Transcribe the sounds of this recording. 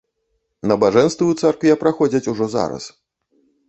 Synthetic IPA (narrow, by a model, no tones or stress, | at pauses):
nɐbaʐɛnst̪vʲiwt̪sarkvʲijapɾaxɔd͡zʲɐt͡sʲuʐɔza̰ɾɐ̰s